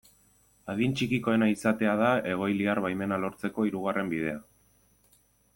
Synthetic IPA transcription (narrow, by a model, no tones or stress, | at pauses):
aðint͡ʃikiko̞e̞naisat̪e̞að̞ae̞ɣ̞o̞jliarβajme̞nalo̞ɾt͡se̞ko̞iɾuɣ̞are̞mbið̞e̞a